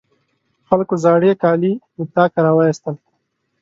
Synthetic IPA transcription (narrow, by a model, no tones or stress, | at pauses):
xalkozɑːɽekɑːlimɪt̪ɑkaɾawajist̪əl